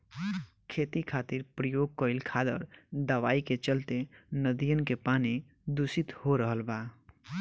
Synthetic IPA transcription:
kʰet̪ikʰat̪iɾpɾəjoɡ̚kəilkʰad̪ə̰ɾd̪əʋaiket͡ʃəlt̪enəd̪ijənkepani | d̪usit̪hoɾəɦəlba

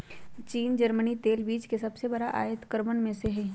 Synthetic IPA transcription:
t͡ʃiːnd͡ʒəɾmənit̪eːlbiːt͡ʃkesɐbsebɐɽaʔa̰ːjət̪kəɾmənmẽseɦɛː

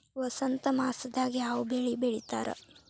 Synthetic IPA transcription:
ʋɐsɐnt̪ɐmaːsɐd̪aːɡiaːwbeɭibeɭit̪a̰ːɾɐ̰

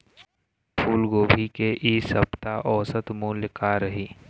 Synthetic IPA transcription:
pʰuːlɡoːbʱikeʔiːsɐbt̪aʔɔːsət̪muːlɪkaɾɐɦiː

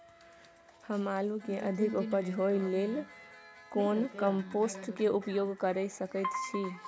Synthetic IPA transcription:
həmalukeʔəd̪ʱikupəd͡ʒʱɦoilel | konkəmposʈkeupjoɡkəɾəɪsəkət̪t͡ʃʰi

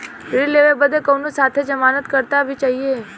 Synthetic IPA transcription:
ɾileʋebəd̪ʱekəwnũsat̪ʰed͡ʒəmanət̪kəɾt̪abʱit͡ʃaɦie

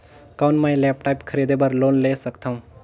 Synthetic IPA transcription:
kaʊnmãjlɛːpʈaːjpkʰəɾid̪ebəɾloːnlesəkt̪ʰaũ

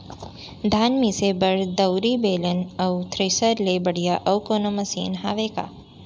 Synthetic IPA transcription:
d̪ʱaːnmisebɐɾd̪ɐwɾibeːlənɐwt̪ʰɾesəɾlebɐɽ̤ijaʔɐwkoːnomɐsḭːnɦaːʋeːka̰ː

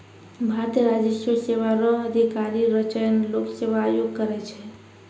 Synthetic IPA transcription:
bʱaɾət̪ijəɾad͡ʒəsjoseʋaɾəɦəd̪ʱikaɾiɾət͡ʃəjnloksebaːjoɡ̚kəɾɛt͡ʃʰɛ

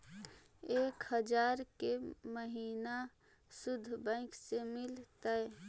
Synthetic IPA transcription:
eːkhəd͡ʒaːɾkeməɦiːna | sʊd̪ʱːbɛ̃ɪksemɪlt̪ə

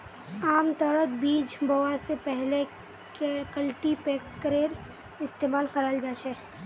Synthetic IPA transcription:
aːmt̪ɔːɾət̪biːd͡ʒbowasepɛɦle | kekəlʈipeːkɾeːɾ | ɪst̪eːmaːlxəɾaːld͡ʒaːt͡ʃʰɛː

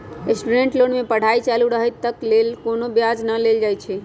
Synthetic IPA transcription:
esʈuɖẽɳʈlonmepəɽ̤ait͡ʃaluɾəɦət̪ːəklelkonobjad͡ʒnəleld͡ʒajt͡ʃʰɛ

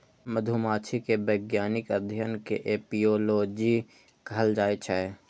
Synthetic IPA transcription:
məd̪ʱumaːt͡ʃʰikebəːɡjaːnɪkəd̪ʱjənkeʔeːpioːloːd͡ʒi | ɡʱəld͡ʒaːet͡ʃʰɛ

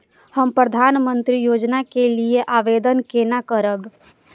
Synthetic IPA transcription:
həmpɾəd̪ʱanmənt̪ɾijod͡ʒnakelieʔaʋed̪ənkenakəɾəb

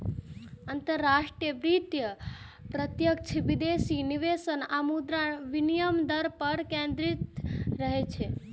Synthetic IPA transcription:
ənt̪əɾːaʂʈɾijəʋɾit̪jə | pɾət̪jək̚t͡ʃʰiʋid̪esiniʋesənamud̪ɾaʋinijəmd̪əɾpəɾkẽnd̪ɾit̪ɾəɦet͡ʃʰe

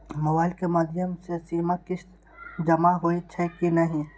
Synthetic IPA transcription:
mɐbaːɪlkemaːd̪ʱjəmsesiːmakɪs | d͡ʒɐmaɦoet͡ʃʰɛkinɐɦĩ

